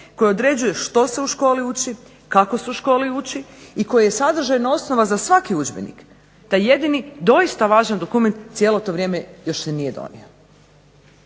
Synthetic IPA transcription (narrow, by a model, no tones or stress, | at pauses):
ko̞jeod̪ɾe̞d͡ʒuje̞ʃt̪o̞seuʃko̞ːliuːt͡ʃi | kakosuuʃko̞ːliut͡ʃiiko̞jajesad̪r̩ʒajnao̞sno̞ʋazasʋakiud͡ʒbḛnḭk | t̪aje̞d̪inid̪o̞ist̪aʋaːʒand̪o̞kument̪sjelot̪o̞ʋɾje̞ːmejo̞ʃsenijed̪o̰nḭo